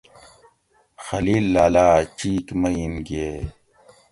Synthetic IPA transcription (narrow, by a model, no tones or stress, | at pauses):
xɐliːlːaːlaːt͡ɕiːkmɐimɡie